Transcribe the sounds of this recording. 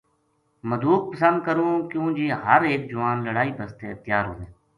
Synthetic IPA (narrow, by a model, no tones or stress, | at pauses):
məd̪uːk̚pəsə̃nd̪̚kəɾũːkjõːd͡ʒiːɦəɾeːk̚d͡ʒʊʋaːnləɽaːiːpəst̪eːət̪jaːɾɦoɦẽː